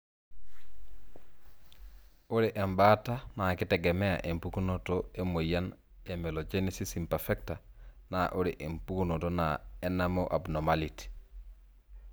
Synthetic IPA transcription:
uɾiʔembatanakiteɡemea̰ʔempukunotoemojan | emelod͡ʒenisisimpaɾfektanaʔuɾiʔempukunotonaenamoʔabnomaliti̥

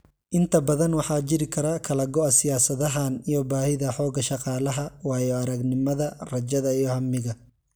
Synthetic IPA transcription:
ʔɪnt̪ʰɐbɐðɐnwɑħɑːt͡ʃɪɾɪkʰɐɾɐkʰɐlɐɡɔɐsɪjaːsɐðɐɦaːnijɔbaːhɪðɐħɔːɡɐʃɑqɑːlɐɦɐwɑːjɔɐɾɐɡnɪmɐðɐrɐd͡ʒɐðɐijɔhɐmːɪɣɐ

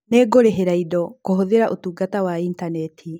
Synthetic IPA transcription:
neːɡoɾeɦeɾaidɔkoɦoðeɾaʔotuːɡatawaintanɛtʰi

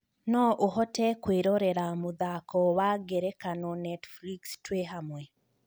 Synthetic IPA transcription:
nɔʔoɦɔtɛkweɾɔɾɛɾamuðakɔwaɡeɾɛkanɔnɛtflikstweɦamwɛ

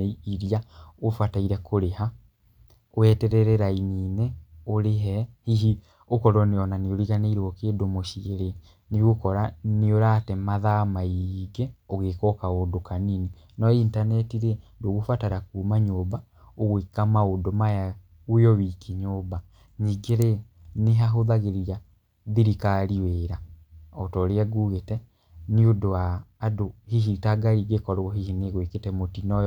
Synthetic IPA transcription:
iɾiaofataiɾɛkoɾeha | oɛtɛɾɛɾɛɾainiːnɛoɾeɦɛhiɦi | okɔɾɔneɔnaneoɾiɣaneiɾoɔkeːdomoʃieɾe | niɣokɔɾaneoɾaːtɛmaðamaiɡɛɔɣekɔkaodokanini | nɔintanɛtiɾɛndoɣofataɾakumaɲoːba | oɣwekamaodomaja | ojɔβikiɲoːba | ɲiɡeɾe | neɦaɦoðaɣeɾia | ðiɾikaɾiweɾaɔtɔɾeaɡuɣetɛ | niodoaːdohiɦitaɡaɾiːɡekɔɾɔhihineɣweketɛmotinɔj

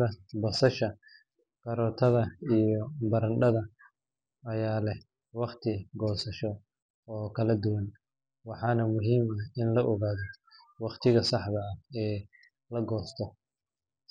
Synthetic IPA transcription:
ðɐbɐsɐʃɐ | kɐɾɔːt̪ʰɐðɐijɔbɐɾɐnɖɐðɐ | ɐjaːlɛh | wɑqt̪ʰɪɡɔːsɐʃɔ | ɔːkʰɐlɐd̪ʊwɐn | wɑħɑːnɐmʊɦiːmɐhɪnlɐʔɔɣaːðɔ | wɑqt̪ʰɪɣɐsɑħβɐɐɛː | lɐɡɔːst̪ʰɔ

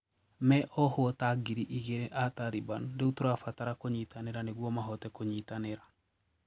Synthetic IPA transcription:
mɛʔɔhoɔtaɡiɾiʔiɣeɾeʔataɾibandeutoɾoafataɾakoɲitaneɾaneɣwɔmaɦɔtɛkoɲitaneɾa

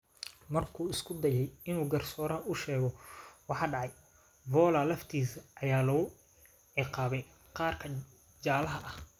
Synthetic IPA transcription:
mɐrkʰuːɪskʰʊd̪ɐjɛjɪnuːɡɐrsɔːɾɐʔʊʃɛːɣɔwɑħɑːɖɑʕɑj | vɔːlɐlɐft̪ʰiːsɐʔjaːlɐɣʊ | ʕɪqɑːβɛj | qɑːrkʰɐ | d͡ʒaːlɐɦɐʔɐh

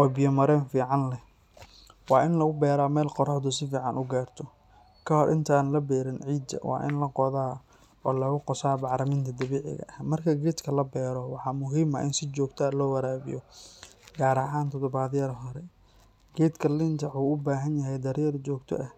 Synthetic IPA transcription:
ʔɔːbɪjɐmɐɾɛːnfiːʕɑnlɛ | wɑːʔɪnlɐɣʊbɛːɾaːmɛːlqɔɾɔħd̪ʊsɪfiːʕɑ̰nʔʊɡaːrt̪ʰɔ | kʰɐhɔɾʔɪ̰nt̪ʰɐaːnlɐbɛːɾɪnʕiːd̪ɐ̰wɑ̰ːʔɪ̰nlɐqɔðaː | ɔːlɐɣʊqɔsaːbɑʕɾɐmɪnt̪ʰɐd̪ɐβɛːʕɪ̰ɣɐ̰ʔɐhmɐrkʰɐɡɛːd̪kʰɐlɐbɛːɾɔwɑħɑːmʊɦiːmɐʔɪnsɪt͡ʃɔːɡt̪ʰɐːlɔːwɐɾaːβɪ̰jɔ | ɡaːɾɐɦaːnt̪ʰɔd̪ɔβaːðjɐɾɦɔɾɛ | ɡɛːd̪kʰɐlɪnt̪ʰɐʕuːʊbaːɦɐnjɐɦɛjd̪ɐɾjɐɾt͡ʃɔːɡt̪ʰɔ̰ʔɐh

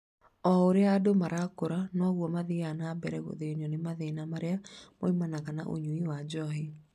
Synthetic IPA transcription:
ɔoɾeaːdomaɾakoɾanɔɣwɔmaðianabɛɾɛɣo̰ðeniɔnemaðenamaɾeamoimanaɣanaʔo̰ɲuiwad͡ʑɔɦi

